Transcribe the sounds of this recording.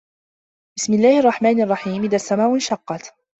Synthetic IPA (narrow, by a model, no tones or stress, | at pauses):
b̥ɪsmɪlːaːhɪɑrˤːɑħmaːnɪʔɑrˤːɑħiːmʔɪðasːamaːʔʊnʃɑqːɑt̪